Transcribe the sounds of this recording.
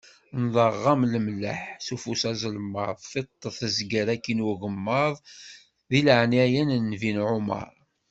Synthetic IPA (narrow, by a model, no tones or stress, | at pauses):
nðˤəʁːɑmləmlə̰ħsufusæzəlməɾˤθit̪ˤːəθəzɡəɾækːənuɣəmːəɾðˤ | ðilʕniæjænənːvinʕʊmɑ̰ɾˤ